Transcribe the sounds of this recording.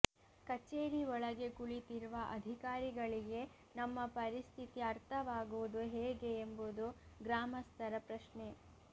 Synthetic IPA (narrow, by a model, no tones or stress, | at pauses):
kɐt͡ʃːeːɾiɔɭɐɡe̞kuɭit̪iɾuʋɐʔɐd̪ʱikaːɾiɡɐɭiɡe̞ | nɐmːɐpɐɾist̪ʰit̪iɐɾt̪ʰɐʋaːɡuʋud̪uɦeːɡe̞ːmbud̪uɡɾaːmɐst̪ʰɐɾɐpɾɐʃɳe̞